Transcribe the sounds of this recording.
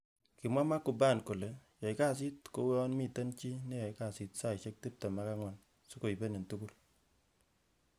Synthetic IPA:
kɪ˨mwa˦ma˦ku˨ba˦˨nko˨le˨jɔ˨jka˦˨s̬i˦tko˦wɔ˦nmi˦˨tɛ˦nt͡ʃi˦ne˦jɔ˨ɪ˦ka˨si˨tsa˦ɪ˨ʃɛ˦k̚ti˦p̚ta˨ma˨˦ka˦ŋwa˨n | su˦ko˨i˨be˦ne˨ntu˦ku˦l

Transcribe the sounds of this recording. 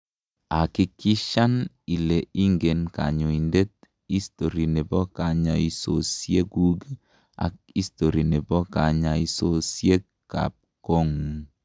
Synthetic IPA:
a˨ki˦ki˦ʃa˦n | i˨le˨i˦ŋɡe˨nka̰˨ɲo˨i˨nde˦t̚ | i˦sto˨ɾi˨ne˨bɔ˦ka˨ɲa˨i˦so˨sje˦ɡu˦ɡ | a̰˨k̚ | i˦sto˨ɾi˨ne˨bɔ˦ka˨ɲa˨i˦so˨sje˦ | ka̰˨p̚ko˦ŋ

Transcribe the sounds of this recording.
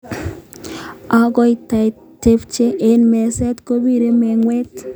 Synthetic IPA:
a˨ɡɔ˦jta˨j | te˨pt͡ʃe˦ʔe˨nmɛ˨sɛ˦t̪ko˦bi˦ɾe˦mɛ˨ŋwɛ˦t

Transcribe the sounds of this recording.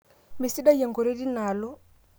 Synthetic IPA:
mi˨si˦da˦ja˨ŋɡo˨ɾe˦di˦na˨lo˦

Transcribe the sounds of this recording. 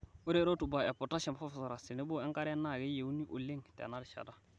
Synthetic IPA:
ʊ˦ɾeː˦ɾo˦tu˨ba˨ɛ˨pɔ˨ta˦ʃɛ˨mfɔ˦fsɔ˨ɾa˨sɪ˨nɪ˦bʊ˦ɛ˦ŋka˦ɾɛ˦na˦˨ɡe˦je˨u˦ni˦ʔo̰˨le˦ŋtɛ̰˨na˦dʃa̰˨ta˦

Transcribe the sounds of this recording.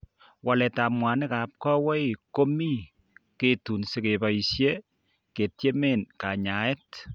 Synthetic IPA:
wa˨lɛ˨ta˨mwa˨nɪ˦ka˨p̚kɔ˦wɛ˦ko˦mi˦ | ke˦tu˨nsɪ˨ke˨pa˨isje˦ | ke˨tje˦me˦nka˨ɲa˨e˦t

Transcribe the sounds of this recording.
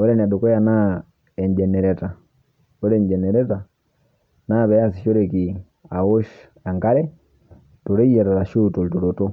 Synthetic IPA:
o˦ɾɛ˦n˨a˨du˨kɔ˦ja˨na˦ | ɛ˨ɲd͡ʒɛ˨nɛ˨ɾɛ˨ta˨ | o˦ɾɛ˨ɲd͡ʒɛ˨nɛ˨ɾɛ˦ta˨ | na˦βɛ˨a˦si˨ʃo˦ɾe˨ki˨ | a˨wo˦ʃ | a˨ŋka˦ɾɛ˦ | to˨ɾe˦i˦jɛ˨ɾa˨ɾa˨ʃu˦to˨lto˨ɾo˨to˦

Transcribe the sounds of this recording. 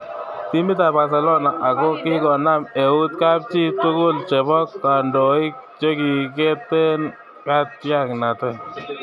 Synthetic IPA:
ti˦mi˦t̪a˨ba˨s̬ɛ˨lɔ˦na˨ʔa˨kɔ˦kɪ˦ɡɔ˨na˦me˨u˦t̪̚ka˦p̚t͡ʃi˦t̪u˦kʊ˦˨lt͡ʃɛ˨bɔ˦kːa˨ndɔ˨i˦kt͡ʃe˦ki˨k̬e˦t̪ːe˦n | ka˦t̪̚pja˦˨kna˨t̪ɛ˦

